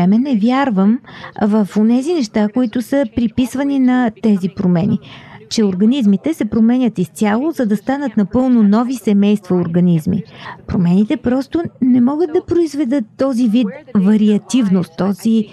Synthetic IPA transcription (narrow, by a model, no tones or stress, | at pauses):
ɛmɛnɛvjaɾvəmvəfonɛzinɛʃt̪akoit̪ʊsəpɾipisvəninɐt̪ɛzipɾomɛnḭt͡ʃɛoɾɡɐnizmit̪ɛsɛpɾomɛnʲət̪ist̪ʲjalˠʊzɐd̪ɐst̪anət̪nɐpɤlˠnʊnɔvisɛmɛjst̪vɐoɾɡɐnizmḭpɾomɛnit̪ɛpɾɔst̪ʊnɛmɔɡəd̪̚d̪ɐpɾoizvɛd̪ɤt̪ːɔzivit̪vɐɾiɐt̪ivnost̪ːɔzi